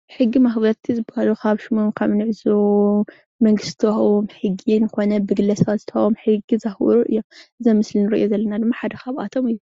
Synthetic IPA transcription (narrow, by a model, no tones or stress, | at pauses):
ħɨɡːimaxbɐɾt̪ʰizɨbahalukʰaβʃimomkʰɐβnɨʕzo | mɐŋɡɨst̪ʰɐmħɨɡinɨxo̞nɐbɨɡɨlɐsazɨt̪ʰɐʔomħɨɡizaxwɔ̰ɾuʔɨ̰jːomʔɨzɐmɨslinɨɾɐʔjozɐlːɐnad̪ɨmːaħad̪ɐxaβʔa̰t̪ʰomɨjːu